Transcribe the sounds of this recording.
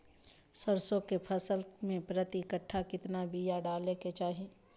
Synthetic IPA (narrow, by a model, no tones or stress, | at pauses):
səɾsõkepʰɐsəlmẽpɾət̪ikəʈʰːakɪt̪nabʱijaɖaːleket͡ʃaːɦie